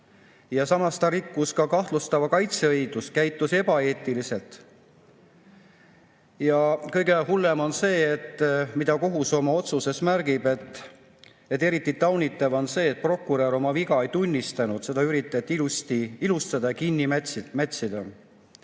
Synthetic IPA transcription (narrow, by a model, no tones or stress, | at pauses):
jɑsɑmɑst̪ɑɾikːuskɑkɑht̪lust̪ɑvɑkɑjt̪seɤjd̪̥uskæjt̪ːˑuse̞b̥ɑe̞ːt̪ˑːilise̞lt̪ˑ | jɑkɤjɡe̞hulːe̞mo̞nse̞ːet̪ːmid̪̥ɑko̞ɦuso̞mɑo̞t̪suse̞smærɡ̥ib̥et̪ | et̪ːˑe̞ɾit̪ːˑit̪ɑwnit̪ːˑɑvo̞nse̞ːt̪̚pro̞kːˑuɾeɾo̞mɑviɡ̥ɑe̞jt̪unʲːist̪ɑnud̪̥se̞d̪ɑyɾit̪ːˑet̪ːˑist̪iilust̪ɑd̪̥ɑkinʲːimæmæt̪ʲsid̪̥ɑ